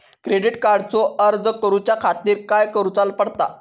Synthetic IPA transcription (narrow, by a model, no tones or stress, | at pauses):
kɾeɖiʈkaɾɖt͡sɔʔəɾd͡zkəɾut͡ɕjakʰat̪iːɾkajkəɾut͡salpəɽt̪a̰